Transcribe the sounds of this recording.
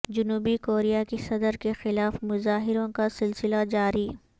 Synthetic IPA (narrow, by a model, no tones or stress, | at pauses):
d͡ʒʊnuːbikoːɾijakesɐd̪əɾkexɪlaːfmʊzaːɦɪɾõkasɪlsɪlad͡ʒaːɾiː